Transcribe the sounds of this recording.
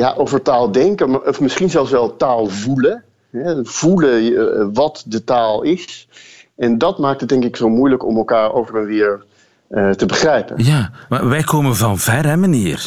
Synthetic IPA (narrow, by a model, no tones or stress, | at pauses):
ja̰ʔowvəɹtaːlˠdɛŋkəmaɔfmɪsχinzɛlˠsʋɛlˠtaːlˠvulə | ɦɛv̥uləʋɑtdətaːlˠɪs | ɛndɑtmaːk̚tət̚dɛŋkɪksowmujləkɔ̰mɛlˠkaːɹo̰wvərənʋɪːɹ | ətəbəχrɛjpə̰njaːmaʋɛjkoːmənvɑnv̥ɛɾɛmaniːr